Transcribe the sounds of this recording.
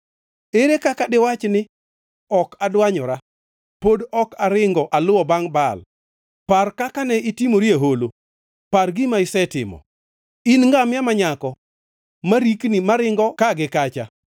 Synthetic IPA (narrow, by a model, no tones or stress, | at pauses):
eɾekakadɪwat͡ʃnɪ | ɔkadwaɲɔɾa | podɔkaɾɪŋɡɔʔalʊwɔbaŋbal | parkakanɛitimoɾjeɦolo | parɡɪmaɪsɛtɪ̰mɔ̰ | inŋɡamjamaɲakɔ | maɾiknɪmaɾɪŋɡɔkaɡɪkat͡ʃa